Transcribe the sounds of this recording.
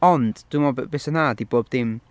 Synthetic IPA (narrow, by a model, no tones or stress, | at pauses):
ɔnd̥d̥wumɔbbesənadiboːbðɪm